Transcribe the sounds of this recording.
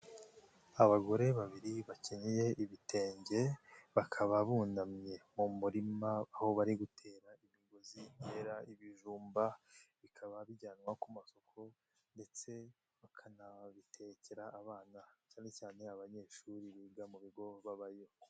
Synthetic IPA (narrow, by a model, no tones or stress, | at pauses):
aβaɡo̞ɾe̞βaβiɾiβaceɲije̞ʔiβite̞ːɲɟe̞βakʰaβaβuːndamɲe̞mumuɾimaːho̞βaɾiɡutʰe̞ːɾaimiɡozine̞ːɾaiβiʒuːmbaβikʰaβaβiɟaːnwakumaso̞kʰo̞ | nde̞t͡se̞ | βakʰanaβitʰeceɾaːβaːnacaːne̞caːne̞aβaɲe̞ːʃuɾiβiːɡamuβiɡo̞βaβajo̞